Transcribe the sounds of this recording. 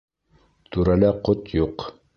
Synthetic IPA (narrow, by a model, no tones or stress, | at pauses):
t̪uɾælæqot̪juq